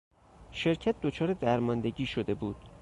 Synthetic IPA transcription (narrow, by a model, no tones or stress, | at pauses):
ʃe̞ɾcʰæt̪̚d̪ot͡ʃʰɒːɾed̪æɾmɒːnd̪eɟiːʃo̞d̪e̞buːd̪̥